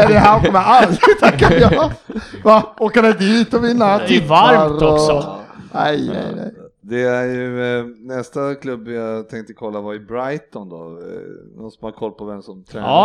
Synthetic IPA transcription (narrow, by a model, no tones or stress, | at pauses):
ɛd̪ɛɦæɔkɔməalt̪ʰakːajɑ | vaoːkad̪ɛd̪iːt̪ɔvɪnːat̪ʰɪvaɾaɾɔsnɛ̰jnɛ̰jnɛ̰jd̪ɛæɾjɵnɛst̪akʰlɵbːjat̪ʰɛŋk̚t̪əkʰɔlːavaɪbɾajt̪ɔnd̪ɔ̰nɔnsɔmhaɾkʰɔlːpʰɔvɛmsɔmt̪ʰɾɛ